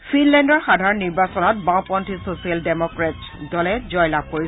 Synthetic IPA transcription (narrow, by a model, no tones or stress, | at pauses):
fʰinlɛndɔɹxadʱaɹɔnːiɹbasɔnɔt̚bãpɔntʰisosialdemɔkɹatsdɔlɛzɔjlab̚koɹi